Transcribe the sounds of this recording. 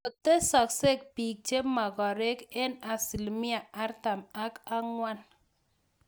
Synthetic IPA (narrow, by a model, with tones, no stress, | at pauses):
o˨te˦sɔ˨kse˦k̚pi˨k̚t͡ʃe˦ma˨ɡɔ˨ɾe˦ke˦na˨si˨lmi˦a˨a˦ɾta˨ma˦ka˦ŋwa˦n